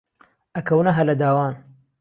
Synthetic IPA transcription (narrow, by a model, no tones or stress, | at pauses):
ɐkɐwnɐɦɐlɐd̪aːwaːn